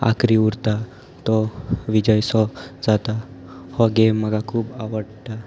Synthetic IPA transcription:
a̰kɾiuɾt̪a | t̪ɔʋid͡ʑəjsɔd͡zat̪a | hɔɡemːəɡakʰuːbaʋəɽʈ̪a

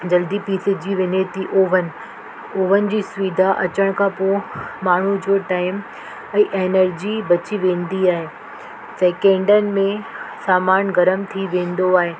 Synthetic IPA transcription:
d͡ʑɐld̪ipiːsɪd͡ʑiʋenet̪iʔoːʋənɪ̆ | oːʋənɪ̆d͡ʑiːsʊʋid̪ʱaʔɐt͡ɕəɽ̃kʰãːpomaːɳ̤ud͡ʑoːʈaːɪm | ɛ̃ːʔeːnəɾd͡ʑibɐt͡ɕiʋẽːnd̪iaːɦeː | seːkẽːɳɖənɪ̆mẽsaːmaːnɡɐɾəmt̪ʰiʋẽːnd̪oaːɦeː

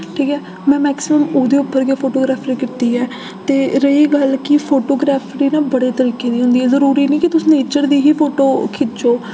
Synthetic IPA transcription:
ʈʰiːkɦɛː | mɛ̃ːmɛːksɪməmuːd̪eːʊpːəɾɡeːpʰoːʈoːɡɾaːpʰɾiːkɪt̪iːɦɛː | t̪eːɾəiːɡəlkɪpʰoːʈoːɡɾaːpʰɾiːnãːbəɽeːt̪əɾiːkẽːd̪iːɦʊ̃nd̪iːɛːzəɾuːɾiːnĩːkɪt̪ʊsneːt͡ʃəɾd̪iːɦiːpʰoːʈoːkʰɪd͡ʒoː

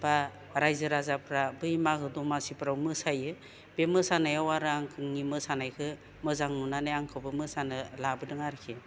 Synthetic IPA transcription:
ba | ɾajzɯɾazapʰɾabɯjmakʰɯdɔmasipʰɾawmɯsajɯ | bemɯsanajawaɾɯaŋkʰɯŋnimɯsanajkʰɯ | mɯzaŋnunanajaŋkʰawbɯmɯsanɯlabɯdɯŋaɾkʰe

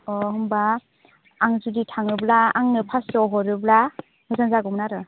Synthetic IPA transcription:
ɔɦɯmbaː | ŋzuditʰaŋɯblaaŋnɯpʰasɔɦɔɾɯbla | hɯzanzaɡɔmnaɾɯ

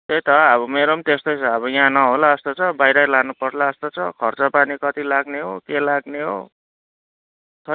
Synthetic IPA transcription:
t̪ejt̪ʌʌβʌmeɾomt̪est̪ʌjt͡sʰʌʌβʌjãnʌɦolaːst̪ot͡sʰʌbajɾʌlanupʌrlaʌst̪ot͡sʰʌkʰʌrt͡sʌpanikʌt̪ilaɡneɦokelaɡneɦo̰ | t̪ʰʌ

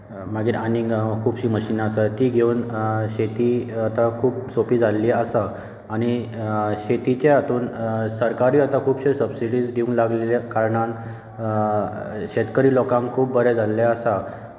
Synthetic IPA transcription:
maɡiːɾanikʰuːbɕiːməɕinasat̪iːɡʱeunɕet̪iːat̪akʰuːpsopiːd͡zʱalːiːəsaː | ñiɕet̪it͡ɕjaːt̪ʰuːnsəɾkaɾiːat̪akʰuːbɕesəbsiɽiːd͡zɡ̪ʱiũŋlaɡleljakaɾɳan | ɕet̪kəɾiːlɔkãŋkkʰuːp̚bəɾɛd͡zʱalːaasa

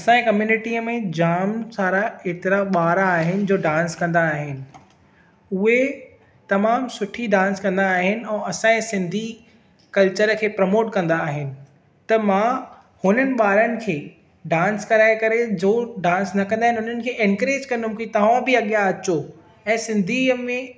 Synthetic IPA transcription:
ɐsãĩkɐmjuːnɪʈiəmẽd͡ʑaːmsaːɾaeːt̪ɪɾaɓaːɾaːɦɪnɪ̆d͡ʑoːɖãːnskɐ̃nd̪aːɦɪnɪ̆ | ʊɦe | t̪ɐmaːmsʊʈʰiɖãːnskɐ̃nd̪aːɦɪnɪ̆ɛ̃ːɐsãẽsɪ̃nd̪ʱi | kɐlt͡ɕəɾkʰeːpɾɐmoːʈkɐ̃nd̪aːɦɪnɪ̆ | t̪ɐmãː | hʊnənɪ̆ɓaːɾənɪ̆kʰeː | ɖãːnskɐɾaːekɐɾed͡ʑoːɖãːnsnɐkɐ̃nd̪aːɦɪnɦʊn̤ənɪ̆kʰeːʔɛ̃nkəɾeːd͡ʑkɐ̃nd̪ʊmkit̪ɐʋãbɪɐɠijaɐt͡ɕo | ɛ̃ːsɪ̃nd̪ʱimẽ

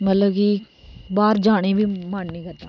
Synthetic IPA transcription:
mət̪ləbki | baːɾd͡ʒaːɽ̃ebʱiːmaːnnĩːkɐɾt̪aː

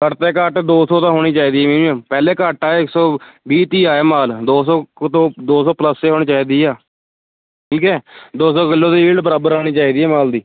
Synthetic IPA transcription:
kəʈt̪eːkəʈd̪oːsoːt̪ãːɦoːɽ̃iːt͡ʃaːiːd̪iːɛːmeːnũãːpɛːleːkəʈaːɪksɔːbiːt̪iːaːeːmaːld̪oːsɔːt̪õːd̪oːsɔːpləseːɦoːñiːt͡ʃaːiːd̪iːaː | ʈʰiːkɛːd̪oːsɔːkɪlːõːt̪iːiːɖbəɾaːbəɾaːɽ̃iːt͡ʃaːiːd̪iːɛːmaːld̪iː

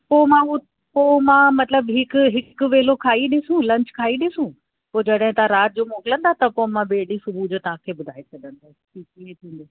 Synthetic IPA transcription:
poːmãʊ | poːmãmɐt̪ləbɦɪkʊɦɪkʊʋeːlokʰaːiɗɪsũlɐ̃ɲt͡ɕkʰaːiɗɪsũ | poːd͡ʑɐɗɦɪ̃t̪ɐãɾaːt̪̚d͡ʑoːmoːkɪlə̃nd̪at̪ɐpomãɓeːɗisʊbʱud͡ʑot̪ɐɦãkʰeːbʊd̪ʱaːesɐɠə̃nd̪a | ikiːẽt̪ʰĩːn̆d̪oː

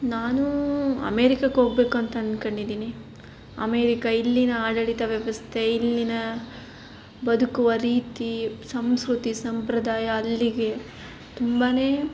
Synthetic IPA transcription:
naːnuɐ̰meːɾikɐkɦoːɡ̚be̞ːkuɐnt̪ɐɐnkɐɳɖid̪iːni | ɐ̰meːɾikɐilːinɐaːɽɐɭit̪ɐʋjɐʋɐst̪ʰeilːinɐ | bɐd̪ukuʋɐɾiːt̪isɐmskɾut̪isɐmpɾɐd̪aːjɐːlːiɡe̞ | t̪umbaːneː

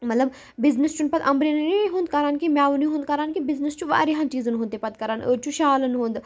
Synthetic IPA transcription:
mɐt̪lɐb | bɪznəst͡ʃunpɐt̪ɐmbɾiniɦũːnd̪̚kɐɾaːnkimjaːʋuniɦũːnd̪̚kɐɾaːnkibɪznəst͡ʃuʋa̰ːɾiɦãːnt͡ʃiːzənɦũːnt̪epɐt̪kɐɾaːnʔəːt͡ʃʰuʃaːlənɦũːnd̪

